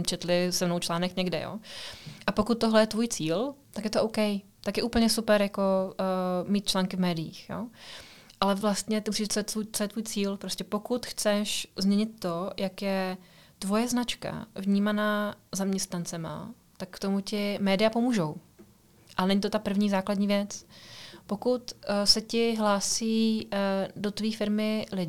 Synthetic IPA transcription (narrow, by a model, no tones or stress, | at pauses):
t͡ʃɛt̪lɪsɛmnowt͡ʃlaːnɛkɲɛɡdɛ̰jo̰ːʔapokut̪̚ːoɦlɛjɛt̪vuːjt͡siːlt̪akjɛt̪oʔowkɛj | t̪akjɛʔuːpl̩ɲɛsupɛɾjako | miːt̪̚t͡ʃlaːŋkɪvmɛːdɪjḭːxjo̰ːʔalɛvlast̪ɲɛt̪ɪmusiʒt͡sojɛt̪ut͡sojɛt̪vuːjt͡siːlpɾoscɛpo̞kut̪xt͡sɛʃzmɲɛɲɪt̪ːo̞jakjɛt̪vo̞jɛznat͡ʃka̰vɲiːmanazamɲɛst̪nant͡sɛma̰ | t̪akːt̪o̞mucɪmɛːdɪjapo̞muːʒow | ʔalɛnɛɲit̪ot̪apr̩vɲiːzaːkladɲiːvjɛt͡spo̞kut̪sɛcɪɦlaːsiː | do̞t̪viːfɪɾmɪlɪɪ